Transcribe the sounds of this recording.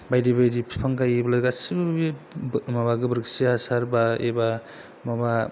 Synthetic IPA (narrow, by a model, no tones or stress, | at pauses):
bajdibajdipʰi̥pʰaŋkajibɐlajɡasɯbimabaɡɯbɯɾɯksiasaɾbaḛba | maba